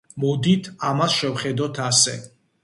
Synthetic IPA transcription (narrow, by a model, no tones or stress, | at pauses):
mɔd̪it̪ʰamasʃɛwχɛd̪ɔt̪ʰasɛ